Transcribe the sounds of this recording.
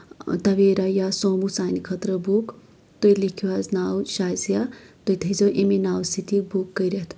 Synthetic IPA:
t̪ɐʋeːɾajasoːmusaːnikʰɐt̪ɾəbuk | t̪oilikʰuaznaːwʃaːjsjat̪ojt̪ʰɐizoʔeminaːwst̪ʰit̪ibukːəɾɐt̪ʰ

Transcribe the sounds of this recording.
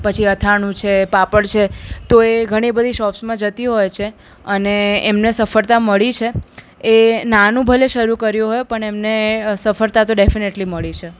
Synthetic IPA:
pət͡ʃʰiət̪ʰaɳ̃ũt͡ʃʰepapəɽt͡ʃʰet̪oeɡʱəɽ̃ibəd̪ʱiʃɔpsmãd͡ʒət̪iɦojt͡ʃʰe | əneːmnesəfəɾt̪aməɭit͡ʃʰe | enanũbʱəleʃəɾukəɾjũɦojpəɳemnesəfəɾt̪at̪oɖefineʈliməɭit͡ʃʰe

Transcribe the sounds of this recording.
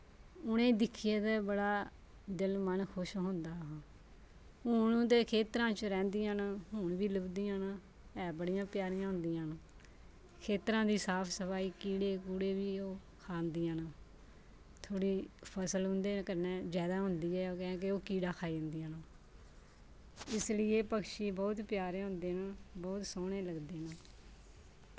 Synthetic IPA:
ʊnẽːd̪ɪkʰːijeːd̪ɛːbəɽaː | d̪ɪlmənkʰʊʃɦʊ̃nd̪aːɦãː | ʊñt̪eːkʰeːt̪ɾãːt͡ʃɾɛ̃ːnd̪iːãːnːɦʊɳbiːləbd̪iːãːna | ɛːbəɽijãːpjaːɾijãːɦʊ̃nd̪ijãːn | kʰeːt̪ɾãːd̪iːsaːpʰsəpaːiːkiːɽeːkuːɽeːʋiːoː | kʰaːnd̪iːãːnaː | t̪ʰoːɽiːpʰəsəlɦʊnd̪eːkəɾnɛ̃ːzjaːd̪aːɦʊnd̪iːɛːoːkɛ̃ːkeoːkiːɖaːkʰaːidənd̪iːãːnaː | ɪslɪjeːpəkʃiːbɔːt̪pjaːɾeːɦʊ̃nd̪eːnaːbɔːt̪soːɽẽːləɡd̪eːnaː

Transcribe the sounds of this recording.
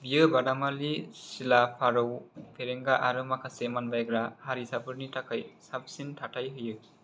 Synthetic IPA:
bijɯbadamalisilapʰaɾɯwpʰeɾeŋɡaʔaɾɯmakʰasemanbajɡɾahaɾisapʰɯɾnitʰakʰajsabsintʰatʰajɦɯjɯki

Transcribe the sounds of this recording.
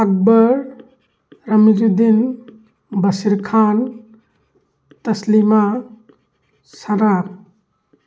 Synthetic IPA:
ak̚bəɾ | ɾɐmid͡ʒud̪in | bɐsiɾkʰan | t̪ɐslima | saɾap̚

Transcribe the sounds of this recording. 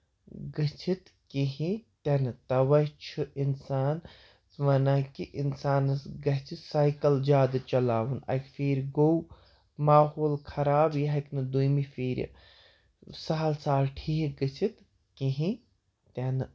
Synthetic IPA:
ɡɨt͡ʃʰit̪ | kiɦĩt̪ɐnɨt̪ɐʋɐt͡ʃʰɨʔinsaːn | ʋɐnakiʔinsaːnɨsɡɐɦt͡ʃʰisajkɐld͡ʒʲjaːd̪ɨt͡ʃɐlaːʋunɐ̰kfiːɾɡow | maːhoːlkʰɐɾaːbjɐɦɐknɨd̪ujmifiːɾʲɐ̰ | saɦɐlsaːlʈʰiɦɡɨt͡ʃʰit̪ | kiɦĩ | t̪ɐnɨ

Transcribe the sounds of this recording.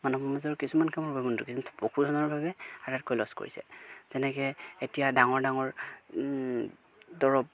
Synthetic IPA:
manɔpɔmazɔɹkisumankamɔɹbɔbɔndukisntʰpokuzɔnɔɹbʱabɛaɹat̚kojlɔsko̰ɹisɛ̰z̥ɛnɛkɛetijadaŋɔɹdaŋɔɹ | dɔɹɔb̚

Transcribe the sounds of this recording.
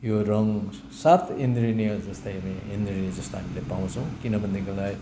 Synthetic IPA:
jorʌŋ | sat̪ʰend̪rinijʌd͡zʌst̪ʌjɦamiend̪rinʌd͡zʌst̪oɦamilepaw̃t͡sʰʌ̃w̃kinʌbʱʌnːekolaɡ

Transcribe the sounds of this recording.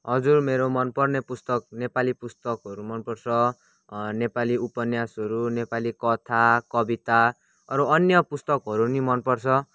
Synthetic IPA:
ɦʌd͡zurmeɾomʌnpʌrnepust̪ʌk̚nepalipust̪ʌkɦʌɾumʌnpʌrt͡sʰʌ | nepaliupʌnjasɦʌɾunepalikʌt̪ʰakʌbit̪a | ɾuʌnjʌpust̪ʌkɦʌɾunimʌnpʌrt͡sʰʌ

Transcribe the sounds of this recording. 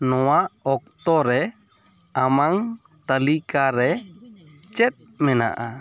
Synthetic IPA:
nowaɔk̚t̪oɾe | amaŋ | t̪alikaɾe | t͡ʃɛt̪̚mɛna̰ʔa

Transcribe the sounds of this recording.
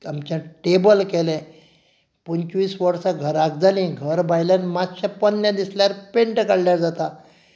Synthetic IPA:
amt͡ɕãʈebəlkɛlɛ̃ | pənt͡ɕʋiːsʋəɾsaɡʱəɾaɡ̚d͡zalĩɡʱəɾbajljanimat̪ɕapənjãd̪isljaɾpeɳʈkəɽljaɾd͡zat̪a

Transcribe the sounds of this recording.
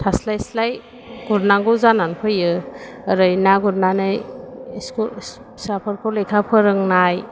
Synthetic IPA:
tʰaslajslaj | ɡ̥uɾnaŋɡɔzananpʰɯjɯː | ɾɯjnaɡuɾnanɯjskul | sapʰɯɾkʰɔlejkʰapʰɯɾɯŋnaj

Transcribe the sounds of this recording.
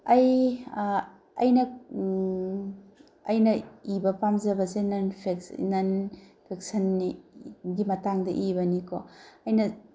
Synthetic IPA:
ɐj | ɐjnɐ | ɐjnɐibɐpamzɐbɐsenɐnpʰeknɐnpʰek̚sɐniɡimɐtaŋdɐʔibɐnikoɐjnɐ

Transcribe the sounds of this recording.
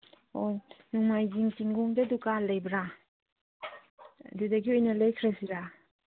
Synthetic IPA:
ojnuŋmajziŋtiŋɡuŋdadukalejbɾa | didaɡiɔjnalejkʰɾasiɾa

